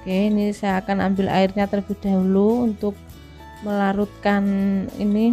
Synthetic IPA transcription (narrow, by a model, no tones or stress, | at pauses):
keinisajaːkana̰mbɪla̰irɲat̪ərb̥i̤d̪̥a̤ɦuluunt̪ʊk̚ | məlaɾut̪̚kanḭni